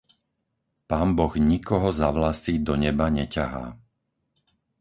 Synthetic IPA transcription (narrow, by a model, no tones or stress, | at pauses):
paːmbɔɣɲikɔɦɔzaʋlasiːd̪ɔɲɛbaɲɛcaɦa̰ː